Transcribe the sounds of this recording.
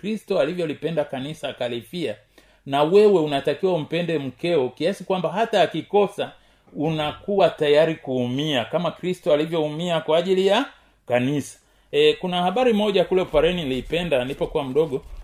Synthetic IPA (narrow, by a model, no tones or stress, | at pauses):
kɾistɔalivjɔlipɛndakanisakalifia | nawɛwɛunatakiwaum̩pɛndɛm̩kɛɔkiasikwambaɦataːkikɔsa | unakuwatajaɾikuːmiakamakɾistɔalivjɔumiakwaːʄilija | kanisḁ | kunahaɓaɾimɔʄakulɛupaɾɛnilipɛndanlipɔkuwam̩ɗɔɠɔ